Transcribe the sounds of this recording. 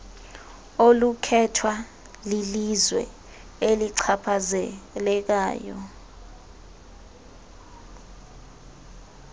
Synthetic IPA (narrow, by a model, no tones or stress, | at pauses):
olukʰɛtʰwa | lilizwɛ̰ | eliǀʰapʰazɛlɛk̬aːjɔ̰